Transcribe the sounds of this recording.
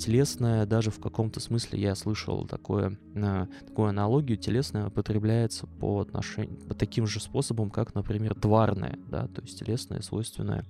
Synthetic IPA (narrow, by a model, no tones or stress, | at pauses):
tʲɪlʲe̞snəjəd̪aʐɨfkɐko̞mt̪əsmɨsʲlʲɪ̰jaslˠɨʂə̰lˠt̪ɐ̰ko̞̰jə̰ | ət̪ɐ̥kujʊɐnɐlˠo̞ɡʲɪjʊtʲɪlʲe̞snəjəpət̪ɾʲɪblʲæjɪt̪səpəɐt̪nɐ̰ʂɛ̰pət̪ɐkʲimʐɨspo̞səbəmkaknəpɾʲɪmʲe̞rd̪varnə̰jə̰d̪a̰t̪o̞jɪsʲtʲtʲɪlʲe̞snə̰jəsvo̞jst̪vʲɪnːə̰jə